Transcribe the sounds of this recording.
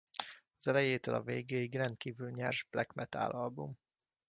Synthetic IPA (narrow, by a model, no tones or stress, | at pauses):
ɒzɛlɛjeːt̪ølɒ̰veːɡeːiɡrɛnt̪̚kiːvylɲɛrʒb̥lɛkmɛt̪a̰ːlɒlbum